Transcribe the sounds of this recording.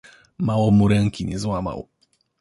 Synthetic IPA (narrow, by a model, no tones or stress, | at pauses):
mawɔmuɾɛŋkʲiɲɛzwama̰w